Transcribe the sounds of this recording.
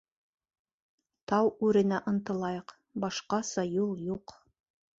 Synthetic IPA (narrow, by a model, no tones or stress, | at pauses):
t̪ɑwʉɾɘ̆næʔɤ̆nt̪ɤ̆lˠɑjɤq | bɑʃqɑsɑjulˠjuq